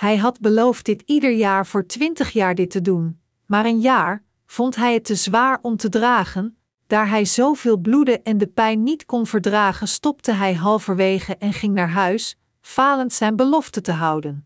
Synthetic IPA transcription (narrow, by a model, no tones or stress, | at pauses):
ɦɛjɦɑdbəlowft̚dɪtidəɹjaːɹv̥ʊːɹtʋɪntəχjaːɹdɪtədun | maːɾənjaːɹ | v̥ɔntɦɛjətːəzʋaːɹɔmtədraːχən | d̥aːɹɦɛjzowvɪːlˠbludəʔɛndəpɛjnːitkɔnvəɹdraːχənstɔptəɦɛjɦɑlˠvəɹʋejχəʔɛnχɪŋnaːɹɦœɥs | faːləntsɛjnbəlɔftətəɦɑwdən